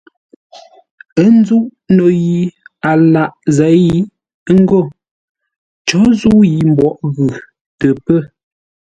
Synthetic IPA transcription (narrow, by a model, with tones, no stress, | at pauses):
ə˦n˦d͡zu˦ʔno˨ji˨a˨la˨ʔzɛ˨˦i˦ | ŋ̩˦ɡo˦˨ | t͡ʃɔ˨˦zu˦ji˨m̩˨bɔ˦ʔɣʉ˨ | tə˨pə˦˨